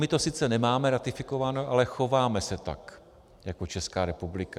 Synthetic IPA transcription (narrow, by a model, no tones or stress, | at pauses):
mɪt̪o̞sɪt͡sɛnɛmaːmɛɾat̪ɪfɪko̞vanoʔalɛxo̞vaːmɛsɛt̪a̰k | jakot͡ʃɛskaːɾɛpublɪka